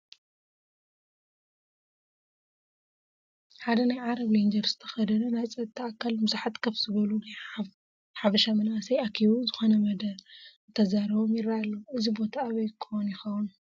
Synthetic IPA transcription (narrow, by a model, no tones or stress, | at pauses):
ħad̪ɐnajʕaɾɐβlend͡ʒɐɾz̥ɨ̥t̪ʰɐ̥xɐd̪ɐnɐnajt͡sʼɐt̪ʰːakʰːalmɨzaħat̪kʰɐβzɨβɐlunaj | ħafɐʃamɨnʔasɐjakʰiβuzɨxo̞nɐmɐd̪ɐɾ | t̪ʰɐzaɾɐβomjɪɾaalːoʔɨzibo̞t̪ʰaːβɐjkʰowunjɪxɐwun